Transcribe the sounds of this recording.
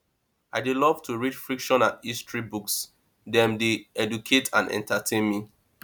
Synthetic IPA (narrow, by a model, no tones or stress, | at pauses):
aɪdelɔv̥tuɹit͡ʃfɹikʃɔ̃natistʰɹibuks | dɛ̃mdeɛdukʰetʰã̰nɛ̰̃ntʰatʰẽnmi